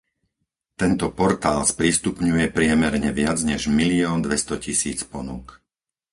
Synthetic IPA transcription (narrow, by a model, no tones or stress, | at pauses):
t̪ɛnt̪ɔpɔɾt̪aːlspɾist̪upɲujɛpɾɪɛmɛɾɲɛʋɪad͡zɲɛʒmiliɔːnd̪ʋɛst̪ɔcisiːt͡spɔnuk